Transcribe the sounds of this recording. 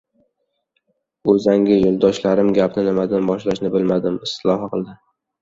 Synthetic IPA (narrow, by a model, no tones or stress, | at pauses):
ɵzaŋɡʲɪjolˠd̪ɒʃlaɾɪmɡʲapnɪnɪmad̪anbɒʃlaʃnɪbɪlmad̪ɪmɪst̪ɪlˠɒhqʰɨlˠd̪ɪ